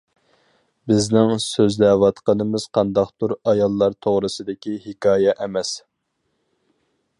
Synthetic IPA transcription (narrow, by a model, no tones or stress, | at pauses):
bɪznɪŋsøzd̪ɛwɑt̪qənɨmɪz̥qʰɑnd̪ɑqt̪uɾɑjɑlˠːɑɾt̪ʰoʁɾɨsɨd̪ɪkʲihɪkʲɑːjɛʔɛmɛs